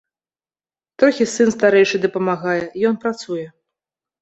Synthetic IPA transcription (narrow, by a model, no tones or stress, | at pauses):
t̪ɾɔkʲisɨnst̪aɾɛjʂɨd̪ɐpɐmaɣajɛjɔnpɾat̪sujɛ